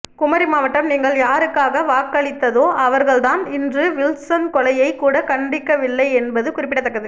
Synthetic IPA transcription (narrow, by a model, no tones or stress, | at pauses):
kʊmɐɾɪmaːʋɐʈːɐmniːŋɡɐɭjaːɾɯkːaːɣɐʋaːkːɐɭɪt̪ːɐðoːʔɐʋɐɾɣɐɭt̪aːnɪndrɯʋɪlsɐnkɔlɐjɐɪkːuːɽɐkɐɳɖɪkːɐʋɪlːɐɪɛnbɐðɯkʊrɪpːɪʈɐt̪ːɐkːɐðɯ